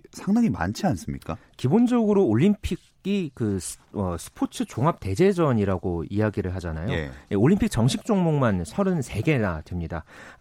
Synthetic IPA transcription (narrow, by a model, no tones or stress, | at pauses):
sʰaŋdaŋima̰nt͡ɕʰians͈ɯmɲḭk͈akibond͡ʑʌɡɯɾooʎːimpʰiɡ | ikɯʌsʰɯ̥pʰot͡ɕʰɯt͡ɕoŋap̚te̞d͡ʑe̞d͡ʑʌɲiɾaɡoiaɡiɾɯɭɦad͡ʑanajo̰jeoɭʎːimpʰik̚t͡ɕʌŋɕʰik̚t͡ɕ͈oŋmoŋmansʰʌɾɯnsʰe̞ɡe̞nadwemɲida